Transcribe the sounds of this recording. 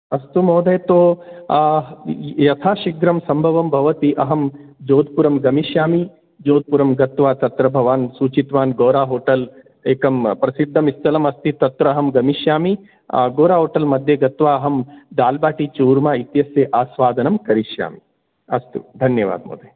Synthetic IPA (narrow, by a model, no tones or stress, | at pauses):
ɐst̪umoːd̪ʱɐjt̪oː | jɐt̪ʰaːʃiɡɾɐmsɐmbʱɐʋɐmbʱɐʋɐt̪iʔɐɦɐmd͡ʒoːd̪̚puɾɐmɡɐmiʃjaːmi | d͡ʒoːd̪̚puɾɐmɡɐt̪ʋaːt̪ɐt̪ɾɐbʱɐʋaːnsuːt͡ʃit̪ʋaːnɡoːɾaːɦoːʈɐl | eːkɐmpɾɐsid̪ʱːɐmist̪ʰɐlɐmɐst̪it̪ɐt̪ɾɐːɦɐmɡɐmiʃjaːmi | ɡoːɾaːɦoːʈɐlmɐd̪ʱjɐɡɐt̪ʋaːɐɦɐmd̪aːlbaːʈit͡ʃuːɾmaːit̪jɐsjɐʔaːsʋaːd̪ʱɐnɐmkɐɾiʃja̰ːmi | ɐst̪ṵd̪ʱɐnjɐʋa̰ːd̪̚mo̰ːd̪ʱɐj